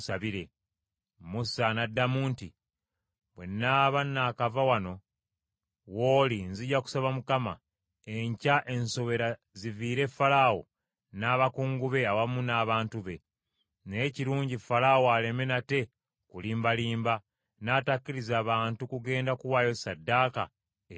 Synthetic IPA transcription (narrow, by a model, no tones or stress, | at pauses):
saβiɾe̞ | musanadːamuːnti | βwe̞̰nːaːβanːaːkavawano̞ | wolinziɟaku̥saβamukama̰ | e̞ɲcaʔe̞nso̞βe̞ɾa | ziviːɾe̞falawo̞̰ | naːβakuːŋɡuβe̞awamunaːβaːntuβe̞̰ | neːciɾuːɲɟifalawoale̞me̞nate̞ | kuliːmbaliːmba | naːtakːiɾizaːβaːntukuɡe̞ːndakuwajo̞sadːaːka̰